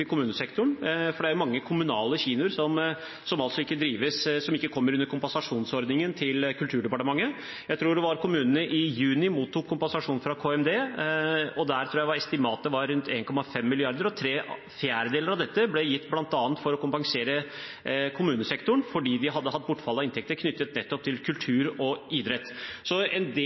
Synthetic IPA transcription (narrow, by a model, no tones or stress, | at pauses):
ɪkʊmʉːnəsɛkt̪ʊɳfɔɖɛæɾjʊmɑŋːəkʰʊmʉnɑːləçiːnʊɾsɔm | sɔmɑlsɔɪkːəd̪ɾiːʋəssɔmɪkːəkʰɔmːəɾʉnːəɾkʰʊmpɑnsɑʂuːnsɔɾd̪nɪŋənt̪ʰɪlkʰʉlt̪ʰʉːɖɛpɑʈəmɑŋːə | jæɪt̪ʰɾuːɖɛʋɑɾkʰʊmʉːnənəʔɪjʉːnɪmuːt̪ːuːkʰːʊmpɛnsɑʂuːnfɾɑkʰoːɛmd̪eː | ɔd̪æɾt̪ʰɾuːjæɪʋɑɾɛst̪ɪmɑːt̪ːəʋɑɾːʉnt̪ʰeːnkʰɔmːɑfɛmːɪlɪɑɾd̪əɾɔt̪ʰɾeː | fjæːɾəd̪eːləɾɑʋd̪ɛt̪ːəblɛjɪt̪ːblɑnt̪ɑːnt̪fɔɾɔkʊmpɑŋseːɾə | kʰʊmʉːnəsɛkt̪ʊɳfɔɖiːd̪ɪɦɑd̪ːəɦɑt̪̚ːbʊʈːfɑlːɑɪnt̪ʰɛk̚t̪əɾkʰnʏt̪ːət̪̚nɛt̪ːɔp̚t̪ʰɪlkʰʉlt̪ʰʉːɾɔɪd̪ɾɛt̪ːsɔɛnd̪